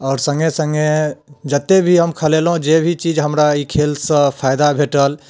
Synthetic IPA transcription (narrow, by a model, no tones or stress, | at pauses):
ɔːɾsə̃ŋɡesəŋɡed͡ʒət̪ːebʱiɦəmkʰəlelɦũd͡ʒebʱit͡ʃid͡ʒɦəmɾaikʰelsə̃pʰajd̪abʱeʈəl